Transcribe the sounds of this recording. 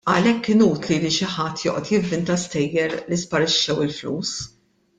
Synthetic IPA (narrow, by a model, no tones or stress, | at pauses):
ɐlɛkːɪnuːt̪liliʃɪħɐt̪ːjɔ̰ːʔɔt̪jɪvːɪnt̪ɐst̪ɛjːɛɾlispɐɾɪʃːɛwɪlflṵːs